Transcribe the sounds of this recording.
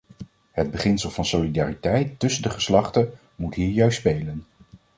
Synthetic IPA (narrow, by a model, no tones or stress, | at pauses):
ɦəd̚bəχɪnsəlˠvɑnsolidaːritɛjtːɵsəndəχəslɑχtə | mutɦiːɹjœɥstspejlən